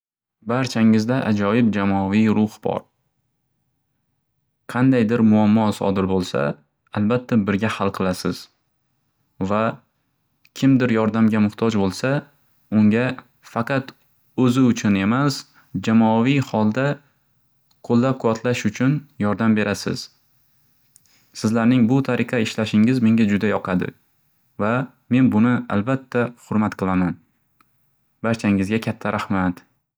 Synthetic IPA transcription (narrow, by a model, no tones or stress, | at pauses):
baɾt͡ʃʰaŋɪzd̪aʔad͡ʒɒjɪb̚d͡ʒamɒvijɾʊhbɒ̰ɾ | qʰɑnd̪ajd̪ɪɾmʊamːɒsɒ̰d̪ɪɾbolˠsa̰ | albat̪ʰːabɪɾɡʲahalˠqʰɨlˠasɪz̥ | va | kʲʰɪmd̪ɪɾjɒɾd̪amɡʲamʊht̪ʰɒd͡ʒbolˠsa | ʊŋʲa | fɑqʰɑt̪ | ɵzɪʊt͡ʃʰʊne̞mas | d͡ʒamɒvijhɒlˠd̪a | qʰolˠːap̚kʰʊvat̪ʰlaʃʊt͡ʃʰʊnjɒɾd̪ambe̞ɾʔasɪ̰z̥ | sɪzlaɾnɪŋbʊt̪ʰaɾʔɪqʰɑɪʃlaʃɪŋɪzme̞ŋɡʲad͡ʒʊd̪ajɒqʰɑd̪ɪ̰ | va | me̞nbʊnɪa̰lbat̪ʰːahʊɾmat̪qʰɨlˠaman | baɾt͡ʃʰaŋɪzɡʲakʲʰat̪ʰːaɾʔahmat̪